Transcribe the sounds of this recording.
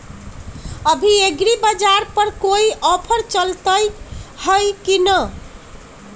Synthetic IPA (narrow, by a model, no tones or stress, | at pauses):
əbʱieɡɾibəd͡ʒaɾpəɾkoiʔɔpʰəɾt͡ʃəlt̪əjhəjkinə